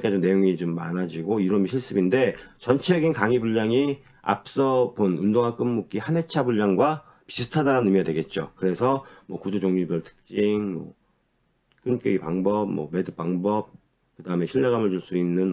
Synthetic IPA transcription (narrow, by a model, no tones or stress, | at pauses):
k͈ad͡ʑomne̞joŋit͡ɕomːanad͡ʑiɡoiɾʌmiɕʰiɭs͈ɯbinde̞t͡ɕʌnt͡ɕʰeɡinkaŋibuʎːaŋi | a̰p̚s͈ʌbonundoŋɦak͈ɯmːuk͈ihane̞t͡ɕʰabuʎːaŋɡwa | pi̥sʰɯ̥tʰadaɾanɯmiɡadwe̞ɡe̞t̚t͡ɕ͈okɯɾe̞sʰʌmwʌkudud͡ʑoŋɲubjʌɭtʰɯ̥k̚t͡ɕ͈iŋmʌ̰ | k͈ɯnk͈eɡipaŋbʌb̚mʌme̞dɯp͈aŋbʌp̚ | kɯdaɯme̞ɕʰiʎːaɡamɯɭt͡ɕuɭs͈uinːɯn